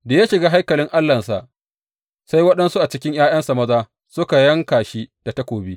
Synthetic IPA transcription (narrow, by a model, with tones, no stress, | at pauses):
da˨ja˦ʃɪ˨ɡaː˦ɦa˦jkɐ˨lɪ˦ŋʔa˦lːɐ˨nsa˨ʔ | sa˦jwɐ˦ɗɐ˦nsu˦ʔa˨t͡ʃɪ˦kʲɪ˦ɲjaː˦jɐ˦nsa˨mɐ˦zaː˦ | sʊ˦ka˨jɐ˦ŋkaː˨ʃi˦d̥a˨ta˦kʷoː˨biː˦